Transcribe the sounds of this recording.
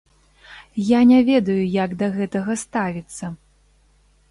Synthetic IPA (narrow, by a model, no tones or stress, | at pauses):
janʲavʲɛd̪ɐjujaɡd̪ɐɣɛt̪ɐɣɐst̪avʲit̪sːɐ